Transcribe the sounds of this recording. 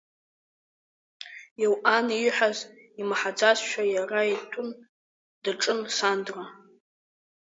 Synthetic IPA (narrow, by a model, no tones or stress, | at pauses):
iwʔaniħʷaz | imaħad͡zazʃʷᶣajaraitʰʊn | d̥aʈ͡ʂʼɨmsandra